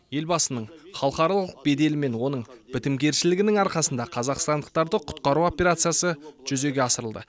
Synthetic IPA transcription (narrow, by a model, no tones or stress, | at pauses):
je̞lbɑsənəɴχɑlˠqɑɾɑlˠəq̚be̞d̪e̞lɪme̞nwo̞nəɴb̥ɪt̪ɪmɡʲe̞ɾʃɪlɪɡʲɪnɪŋɑɾqɑsənd̪ɑqʰɑzɑqst̪ɑnd̪əq̚t̪ɑɾd̪əqʰʊ̥t̪qɑɾuo̞peɾat̪sɨjasəʒ̥ʏze̞ɡʲe̞ɑsəɾəlˠd̪ə̰